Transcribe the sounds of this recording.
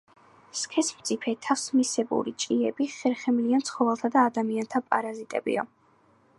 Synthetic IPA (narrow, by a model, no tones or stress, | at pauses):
skʰɛsmt̪sʼipʰɛt̪ʰasmisɛbṵɾḭt͡ʃʼiɛbiχɛɾχɛmliant̪sʰχɔvɛlˠt̪ʰad̪aːd̪amiant̪ʰapʼa̰ɾazit̪ʼɛ̰bḭɔ̰